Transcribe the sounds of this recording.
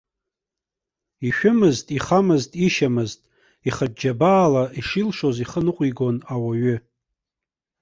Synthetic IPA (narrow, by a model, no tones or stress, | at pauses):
iʃᶣʊmɨztʼiχamɨztʼiʃamɨztʼ | iχad͡ʒabaːlaʔiʂilʂo̞ziχənɨqʷʼiɡo̞nawaɥʏ